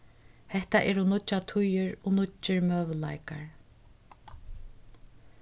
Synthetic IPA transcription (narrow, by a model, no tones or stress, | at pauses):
hɛht̪aʔɛɾhunʊt͡ʃːat̪ʰʊjɪɹɔnʊt͡ʃːɪɹmœːʋla̰jkaɹ